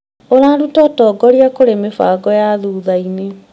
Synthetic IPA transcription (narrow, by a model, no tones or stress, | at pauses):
oɾaːɾutɔtɔɡɔɾiakoɾemefa̰ɡɔjaðuːðaine